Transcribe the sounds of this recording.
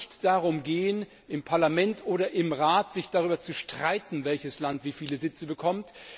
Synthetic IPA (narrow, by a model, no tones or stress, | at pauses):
çtd̥aʁʊmɡeːən | ʔɪmpʰaɐlamɛntʔoːɾɐʔɪmʁaːtz̥ɪçd̥aʁ̞yːbɐt͡suʃtʁ̥aɪtn̩vɛlçəslantv̥iːfiːləzɪt͡səbəkʰɔmt